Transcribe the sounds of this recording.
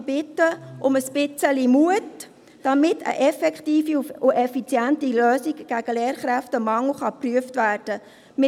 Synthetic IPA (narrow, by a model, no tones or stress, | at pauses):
bɪtːəʔʊməspɪt͡səlimuət | d̥ɑmɪtʰə̰ʔɛfɛkχtiːfiʊʔɛfit͡sjæntiløːsiɡɡ̥æɡ̥əleːɾχɾæftəmɑŋl̩χɑpryəftʋæːrd̥ə | mɪ